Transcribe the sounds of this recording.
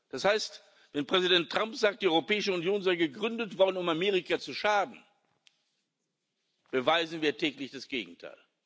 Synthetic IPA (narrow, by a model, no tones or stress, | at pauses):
d̥ashaɪst | vɛnpʁ̥ɛzidɛntːʁ̥ampz̥aːk̚td̥iːʔɔʁopɛːɪʃəʊnjoːnzaɪɡəɡʁʏndətv̥ɔɐdn̩ʊmameːʁɪkat͡suʃaːdn̩ | b̥əvaɪzn̩viːɐtʰɛːklɪçd̥asɡ̥eːɡŋ̩tʰa̰ɪl